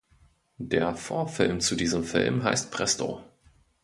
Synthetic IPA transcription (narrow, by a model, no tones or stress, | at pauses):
d̥eːɐfoːɐfɪlmt͡sudiːzəmfɪ̰lmɦa̰ɪst̚pʁ̥ɛsto̰